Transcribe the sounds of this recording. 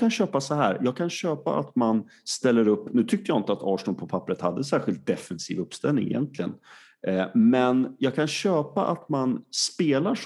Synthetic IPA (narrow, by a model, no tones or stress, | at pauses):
kʰanɕøːpasɔɦæ̰ːɾjɑːɡ̚kʰanɕøːpa̰ʔa̰t̪man | st̪ɛlːəɾɵpːnʉ̟ːt̪ʰʏk̚t̪əjaːɪnt̪əat̪ʰɑːʂnʊlpʰɔpʰapːɾət̪had̪ːəns̬æːɾɧɪlt̪̚d̪ɛfɛnsḭːvɵpːst̪ɛlnɪ̰ŋɪ̰jɛ̰nt̪ʰlɪɡə̰n | mɛnjɑːɡkʰanɕøːpaʔat̪manspeːlaʂ